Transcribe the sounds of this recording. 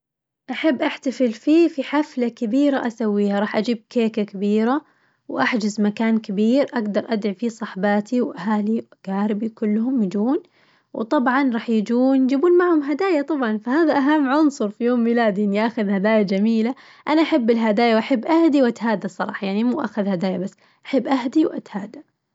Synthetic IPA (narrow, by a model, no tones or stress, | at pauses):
ʔaħabːʔaħt̪afɪlfiːfiħaflakabiːɾaʔasawːiːhaɾˤɑːħʔad͡ʒiːb̚keːkakabiːɾa | wʔaħd͡ʒɪzmakaːnkɪbiːɾʔaɡd̪ɑɾˤʔad̪ʕifisˤɑħbɑːt̪ʰiwʔaɦaːliwɡ̥aːɾɪbikʊlːhʊmjɪd͡ʒuːn | wt̪ˤɑbʕɑnɾˤɑːħjɪd͡ʒuːnjd͡ʒibuːnmaʕhʊmɦad̪aːjat̪ˤɑbʕɑnfahaːðaʔaɦamːʕʊnsˤʊɾˤfijoːmːilaːd̪iʔɪnːiʔaːxʊðhad̪aːjad͡ʒamiːla | ʔanaʔaħabːɪlɦad̪aːjawʔaħabːʔahd̪iwʔat̪haːd̪asˤɑɾˤɑ̰ːħɑjaʕnimuːʔa̰ːxʊðhad̪aːjabasː | ʔaħɪbːʔaɦd̪iwʔa̰t̪haːd̪a